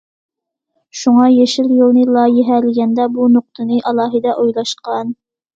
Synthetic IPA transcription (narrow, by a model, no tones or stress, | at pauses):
ʃuŋɑjeʃɪljolˠnɨlˠɑːjɪɦælɪɡʲɛnd̪ɛbunoq̚t̪ʰɨnɨʔɑlˠɑːɦɨd̪ɑʔojlˠɑʃqɑn